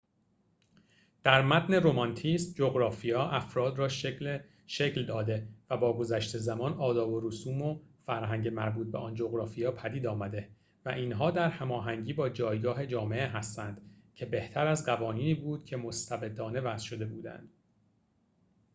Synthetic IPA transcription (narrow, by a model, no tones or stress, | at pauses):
d̪̥æɾmæt̪ʰne̞ɾo̞mɒnt̪ʰist̪̚d͡ʒoɣɾɒːfijɒːʔæfɾɒːd̪rɒːʃ | ʃecld̪ɒːd̪e̞væbɒːɡo̞zæʃt̪e̞zæmɒːnɒːd̪ɒːbo̞ɾusuːmofæɾɦæŋɟe̞mæɾbuːt̪̚beʔɒːnd͡ʒo̞ɣɾɒːfijɒːpʰæd̪iːd̪ɒːmæd̪e̞ | væʔiːnɦɒːd̪æɾhæmɒːɦæŋɟiːbɒːd͡ʒɒːjɡɒːɦe̞d͡ʒɒːme̞ʔeɦæst̪ænd̪̥ | cʰe̞be̞ht̪ʰæɾæzɢævɒːniːniːbuːd̪̥cʰe̞mo̞st̪ʰæbe̞d̪ɒːne̞væz̥ʃo̞d̪e̞buːd̪æ̰nd̪̥